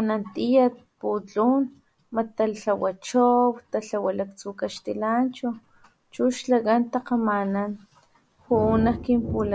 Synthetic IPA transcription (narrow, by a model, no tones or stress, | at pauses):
anant̪ijat̪̚put͡ɬun | mat̪aɬawat͡ʃowt̪aɬawalak̚t͡sukaʃt̪ilant͡ʃu | t͡ʃuʃlakant̪aqamanan | xuːnahkimpula